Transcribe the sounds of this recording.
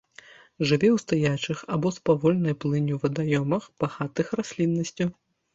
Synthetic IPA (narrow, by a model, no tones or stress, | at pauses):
ʐɨvʲɛwst̪ajat͡ʂɨxabɔspavɔlʲnɐjplˠɨnʲuwvɐd̪ajɔmɐxb̥aɣat̪ɨxrasʲlʲinːɐsʲt͡sʲu